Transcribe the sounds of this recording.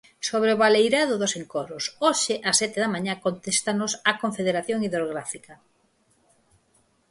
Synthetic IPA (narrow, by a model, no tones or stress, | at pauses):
soβ̞ɾeoβalejɾaðʊðʊseŋkoɾʊsoʃɪʔasːɛt̪ɪðamaɲakont̪est̪anosakoɱfeðeɾaθjoŋiðɾoɣɾafikɐ